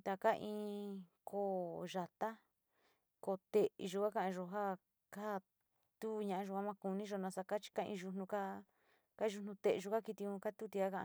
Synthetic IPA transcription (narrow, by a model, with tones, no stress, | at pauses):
t̪a˧ka˦ʔĩː˧kʰo˦˨ʒa˧t̪a˦ | ko˧t̪e˧˨i˧ʒu˧ka˦kã˧ʔã˧ʒo˧ɦa˦ | ka˦˨ | t̪u˦˧ɲã˧ʔã˧ʒo˧a˦mã˧ku˧nĩ˦ʒo˧nã˧sa˧ka˦t͡ʃi̥˧ka˦˧ḭ̃˧ʒu˧nũ˧ka˦ | ka˦ʒu˧nũ˧t̪e˧ʔʒu˧ka˦ki˧t̪i˧ũ˧ka˦t̪u˦t̪i˧ka˦kã˧ʔa˧